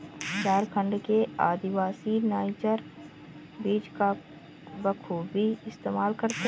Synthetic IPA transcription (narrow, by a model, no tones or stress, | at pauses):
t͡ʃaːɾkʰə̃ɳɖkeaːd̪ɪʋaːsinaːɪd͡ʒəɾ | biːd͡ʒka | bəkʰubʱiɪst̪eːmaːlkɐɾt̪e